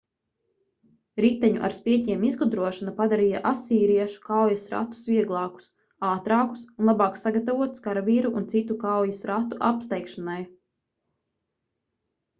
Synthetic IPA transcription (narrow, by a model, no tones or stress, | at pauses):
ɾit̪ɛɲṵʔa̰ɾspiɛcʲiɛmizɡud̪ɾuɔʃanapad̪aɾijaʔasiːɾiɛʃu̥kawjusɾa̰t̪u̥sviɛɡlˠɑːku̥s | aːt̪ɾaːku̥sunlˠabɑːksaɡat̪avuɔt̪skaɾviːɾuʔunt̪sit̪ukawjusɾat̪uʔa̰pst̪ɛjkʃanaj